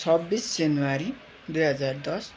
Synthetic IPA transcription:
ʌbːisd͡zenuwaɾi | d̪ujɦʌd͡zard̪ʌs

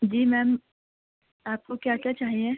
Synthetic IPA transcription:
d͡ʒiːmɛːm | aːp̚kokjaːkjat͡ʃaːɦiẽ

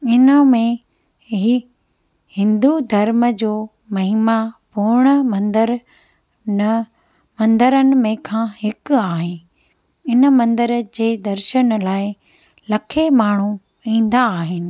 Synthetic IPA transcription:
ɪnəmẽ | ɦi | hɪ̃nd̪ud̪ʱɐɾməd͡ʑoː | mɐɦɪmapʊɽ̃əmɐnd̪əɾ | mɐ̃nd̪əɾənɪ̆mẽkʰãːhɪkaːɦɪ | ɪnə̆mɐ̃nd̪əɾd͡ʑeːd̪ɐɾʃənlaːɪ | lɐkʰemaːɳ̤u | ĩːn̆d̪aːɦɪnɪ̆

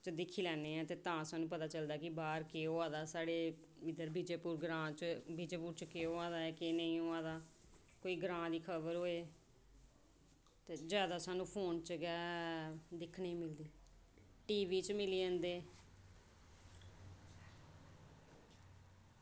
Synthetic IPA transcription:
t͡ʃəd̪ɪkʰiːlɛːneːɛ̃ːt̪eːt̪ãːsaːnũːpət̪aːt͡ʃəld̪aːkɪbaːɾkeːoːaːd̪aːsaːɽeː | ɪd̪əɾbid͡ʒeːpuːɾɡɾãːt͡ʃbid͡ʒeːpuːɾt͡ʃkeːoːãːd̪aːɛːkenəĩːoːaːd̪aː | koːiːɡɾãːd̪iːkʰəbəɾɦoːeː | t̪eːd͡ʒjaːd̪aːsaːnũːpʰoːnt͡ʃɡɛː | d̪ɪkʰneːmɪld̪iː | ʈiːʋiːt͡ʃmɪliːə̃nd̪eː

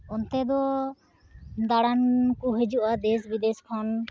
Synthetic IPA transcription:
ɔnt̪ɛd̪ɔ | d̪aɽankuɦed͡ʒuʔad̪esbid̪ɛskʰɔn

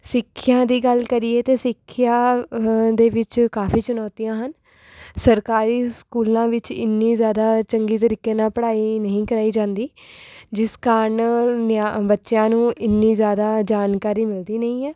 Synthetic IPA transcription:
sɪkʰːjãːd̪iːɡəlkəɾiːeːt̪eːsɪkʰːɪjaː | d̪eːʋɪt͡ʃkaːfʰiːt͡ʃʊnɔːt̪ijãːɦən | səɾkaːɾiːskuːlãːʋɪt͡ʃɪ̰nːiːzjaːd̪aːt͡ʃəŋɡiːt̪əɾiːkeːnãːpəɽaːiːnəɦĩːkəɾaːiːd͡ʒãːnd̪iːd͡ʒɪskaɾɳnabətːʃjãːnũːʔɪnːiːzjaːd̪aːd͡ʒaːnkaːɾiːmɪld̪iːnəĩːɦɛː

